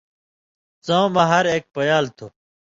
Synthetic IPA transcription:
t͡sãːwmãːɦɐɾeːk̚pəjaːlt̪ʰoː

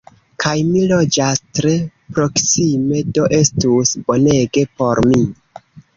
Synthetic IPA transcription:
kʰajmilo̞d͡ʒastɾe̞pɾo̞ksime̞do̞ʔe̞stusbo̞ne̞ɡe̞po̞ɾmi

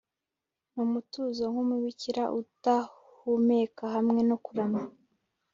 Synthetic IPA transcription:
mumutuːzoŋhumuwiciɾaʔuta | humekaɦamŋe̞no̞kuɾama

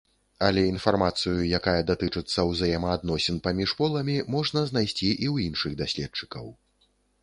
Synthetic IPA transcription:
ɐlʲɛin̪farmat̪sɨjujakajɐd̪at̪ɨt͡ʂɨt̪sːɐwzajɛmɐːd̪nɔsʲɛnpamʲiʂpɔlˠɐmʲimɔʐnɐznajsʲt͡sʲiʔiwjinʂɨɣd̪asʲlʲɛt̚t͡ʂɨ̥kɐw

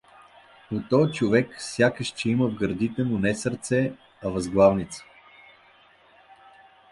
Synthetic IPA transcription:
ʊt̪ɔjt͡ʃovɛksʲjakəʃt͡ʃɛiməvɡəɾd̪it̪ɛmʊnɛsəɾt̪sɛ | ɐvɐzɡlˠavnit̪sə̥

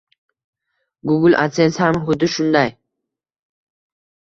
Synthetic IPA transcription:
ɡʊɡɪlʔa̰t̪senshamɦʊd̪ɪʃʊnd̪aj

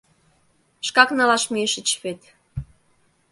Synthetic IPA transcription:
ʃkɑknɑlɑʃmeʃə̆t͡ɕβet̪

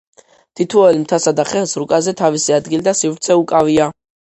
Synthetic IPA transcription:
t̪ʰit̪ʰvɔɛlmt̪ʰasad̪aχɛlˠsɾukʼazɛt̪ʰavisiad̪ɡilid̪asivɾt̪sʰɛukʼavia

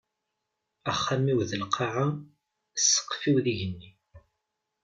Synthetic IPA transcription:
æχːæmiwðəlqʰɑʕa | sːə̥qːfiwðiʝənːi

